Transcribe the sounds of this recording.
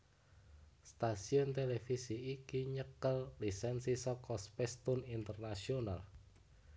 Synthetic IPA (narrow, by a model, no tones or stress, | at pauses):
st̪asiɔnt̪elefisiːkiɲəkəllisɛnsisɔkɔspɛst̪unint̪ərnasiona̰l